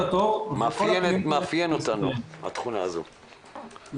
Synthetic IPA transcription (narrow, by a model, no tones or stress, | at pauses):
t̪mmafjenot̪anuha̰t̪χunaːzṵ